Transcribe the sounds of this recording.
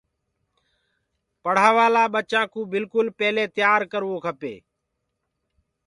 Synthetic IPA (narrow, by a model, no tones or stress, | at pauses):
pəɽ̤aːʋaːlaːɓət͡ʃãːkũːbɪlkʊlpɛːleːt̪jaːɾkəɾʋoːkʰəpḛː